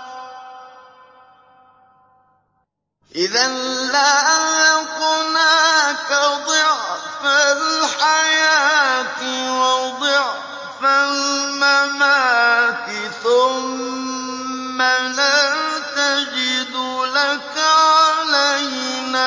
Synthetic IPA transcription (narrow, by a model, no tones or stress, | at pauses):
ʔɪðanlajakunakab̪ɪʕfaħajaːt̪wawbɪʕ | θamːamat̪ɪθʊm | alat̪ad͡ʒɪd̪ulakaʕalahɪna